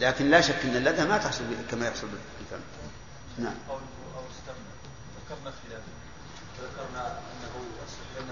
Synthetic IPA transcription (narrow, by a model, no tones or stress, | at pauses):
laːkɪnlaʃakːʔɪnːalʔad̪amat̪ɪħsˤʊlbɪakamajʊħsˤʊlbɪbɪlfa̰mː | naʕmʔaw | ʔawɪst̪amda | ðakːɑɾˤnafila | ðakːɑɾˤnaʔanːaɦuasaan